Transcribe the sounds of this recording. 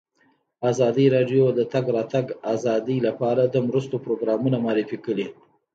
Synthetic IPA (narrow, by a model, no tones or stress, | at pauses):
azɑd̪iɾɑɖjod̪ət̪aɡɾɑt̪aɡazɑd̪ilapɑɾad̪əmɾəst̪opɾoɡɾɑmunamɑɾɪfikəli